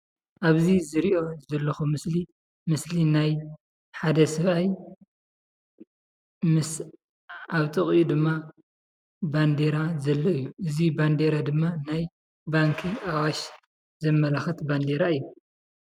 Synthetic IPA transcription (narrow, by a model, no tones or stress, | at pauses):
ʔaβzizɨɾiʔo̞zɐlːɐxumɨsli | mɨslinaj | ħad̪ɐsɨβaj | mɨs | ʔaβt̪ʼɨχʼud̪ɨmːa | band̪eɾazɐlːɐɨjːuʔɨziband̪eɾad̪ɨmːanaj | baŋkʰiawaʃ | zɐmːɐlaxɐt̪band̪eɾaɨjːu